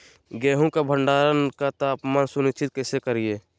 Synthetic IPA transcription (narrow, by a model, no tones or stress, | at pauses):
ɡɛːɦũkabʱəɳɖaːɾənkat̪aːpmaːnsʊnɪt͡ʃʰɪt̪̚kɛːsekəɾieː